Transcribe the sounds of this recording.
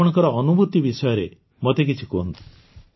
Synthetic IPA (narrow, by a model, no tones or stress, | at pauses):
ɔɽ̃ɔŋkɔɾɔːnubut̪ːibisɔjɔɾe | mɔt̪ek̬it͡ʃʰikont̪u̥